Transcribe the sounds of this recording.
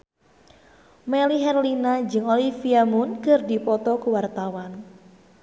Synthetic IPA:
meliɦɛrlinad͡ʒɨŋolifiamʊnkərdipɔt̪ɔkuwart̪awan

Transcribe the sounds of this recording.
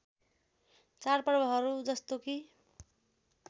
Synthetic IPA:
t͡sarpʌrbʌɦʌɾud͡zʌst̪oki

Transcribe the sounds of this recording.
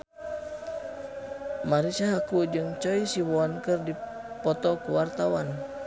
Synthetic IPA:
maɾisaɦakud͡ʒɨŋt͡ʃɔisiwɔnkɨrdi | pɔt̪ɔkuwart̪awan

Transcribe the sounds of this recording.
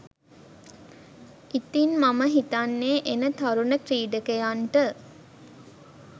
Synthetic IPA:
it̪inmaməɦit̪anːeːʔenət̪aɾunəkɾiːɖəkejanʈə

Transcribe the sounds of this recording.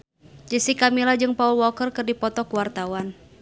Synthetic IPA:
d͡ʒəsikamilad͡ʒɨŋpaulwɔkərkɨrdipɔt̪ɔkuwart̪awan

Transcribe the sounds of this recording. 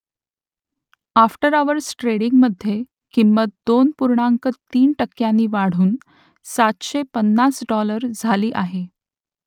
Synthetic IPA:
afʈəɾaʋəɾsʈɾeɽiŋɡməd̪ʱːje | kimːət̪̚d̪onpuɾɳaŋkət̪iːnʈəkːjanːiːʋaɽ̤uːn | sat̪ɕepənːasɖɔləɾd͡zʱaliːʔaɦe

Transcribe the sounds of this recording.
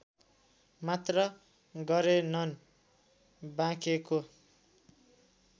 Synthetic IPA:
mat̪rʌ | ɡʌɾenʌn | bãkeko

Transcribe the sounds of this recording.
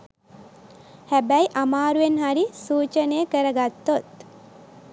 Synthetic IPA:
hæbæiʔamaːɾuenɦaɾisuːt͡ʃənejəkəɾəɡat̪ːot̪

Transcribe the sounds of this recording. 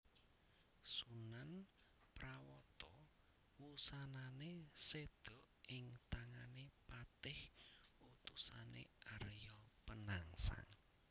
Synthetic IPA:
sunan | pɾawɔt̪ɔ | wusananesed̪̥ɔ̤ʔɪŋt̪aŋanepat̪ɪhut̪usanḛʔaɾjɔpənaŋsa̰ŋ

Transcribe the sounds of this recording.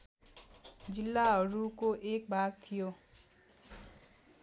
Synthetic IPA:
d͡ʒilːaɦʌɾukoʔek̚bʱaɡ̚t̪ʰijo

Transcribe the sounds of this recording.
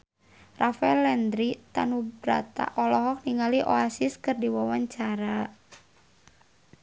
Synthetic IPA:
rʔafaɛlɛnd̪ɾit̪anubɾa̰t̪a̰ʔɔlɔɦɔk̚niŋaliʔoasiskɨrdiwawaɲt͡ʃaɾa

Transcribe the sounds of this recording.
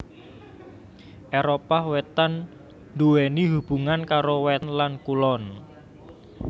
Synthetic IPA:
ʔeɾopahwet̪an | nd̪uweniɦub̥ṳŋankaɾowɛnlankulɔn

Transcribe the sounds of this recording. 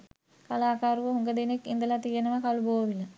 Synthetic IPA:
kalaːkaːɾuʋəɦuŋɡəd̪enekːind̪əlat̪ijənɐʋəkaluboːɐʋilɐ

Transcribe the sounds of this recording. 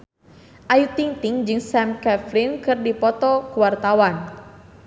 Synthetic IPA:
ʔajut̪iŋt̪iŋd͡ʒɨŋsɛmkɛfɾinkɨrdipɔt̪ɔkuwart̪awan

